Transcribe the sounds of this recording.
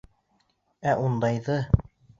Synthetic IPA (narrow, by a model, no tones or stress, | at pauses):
æʔund̪ɑjðɤ